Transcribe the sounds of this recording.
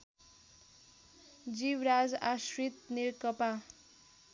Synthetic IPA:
d͡zibɾad͡zasrit̪niɾkʌpa

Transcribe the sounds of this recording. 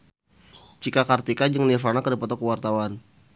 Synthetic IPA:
t͡ʃikakart̪ikad͡ʒəŋnirfanakədipɔt̪ɔkəwart̪awan

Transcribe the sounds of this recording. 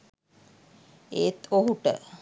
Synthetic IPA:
eːt̪oɦuʈə̰

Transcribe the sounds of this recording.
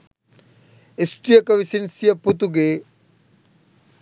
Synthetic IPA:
isʈɾijəkɐʋisinsijɐput̪uɡeː

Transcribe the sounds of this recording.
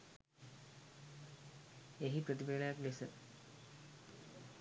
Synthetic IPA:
eɦipɾət̪ibeləjaklesə

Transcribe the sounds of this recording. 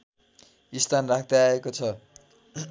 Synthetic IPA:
ist̪ʰanrakʰd̪aaekot͡sʰʌ

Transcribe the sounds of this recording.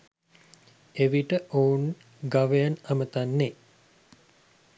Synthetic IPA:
eʋiʈəʔoːun | ɡaʋejanamət̪anːe

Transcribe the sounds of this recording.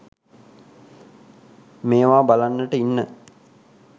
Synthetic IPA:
meːʋaːbalanːəʈəinːə

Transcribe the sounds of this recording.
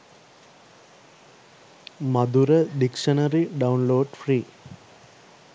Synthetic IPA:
mɐd̪uɾəɖikʂɐnɐɾiɖɐunloːɖfriː

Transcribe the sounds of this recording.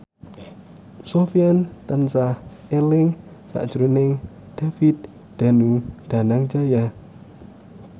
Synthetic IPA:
sofiant̪ənsahelɪŋsa̰ʔd̥ʒ̥ɾunɪŋ | d̪̥afit̪̚ | d̪̥a̤nud̪̥a̤naŋd͡ʒaja

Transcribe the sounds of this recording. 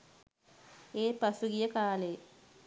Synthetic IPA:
eːpasuɡijəkaːle

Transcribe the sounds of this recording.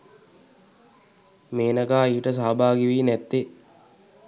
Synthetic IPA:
meːnəɡaːiʋiʈəs̬aːbaːɡiʋiːnæt̪ːe

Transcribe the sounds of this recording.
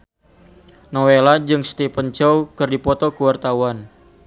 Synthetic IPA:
nɔwelad͡ʒɨŋst̪ipənt͡ʃɔwkɨrdipɔt̪ɔkəwart̪awan

